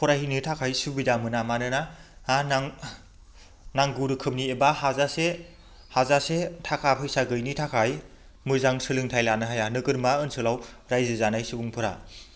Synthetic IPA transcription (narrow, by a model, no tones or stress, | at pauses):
pʰɔɾahinɯtʰakʰajsubidamɯnamanɯnaanaŋ | naŋɡuɾɯkʰɯm̚niebahazase | hazasetʰakʰapʰɯjsaɡɯjnitʰakʰaj | mɯzaŋsɯlɯŋtʰajlanɯɦajanɯɡɯɾmaɯnsɯlawɾajzɯzanajsɯbuŋpʰɯɾa̰